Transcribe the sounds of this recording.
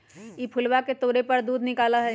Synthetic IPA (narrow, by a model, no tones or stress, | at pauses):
ipʰʊlwaket̪oːɾepɐɾd̪uːd̪nɪkaːlaɦɛ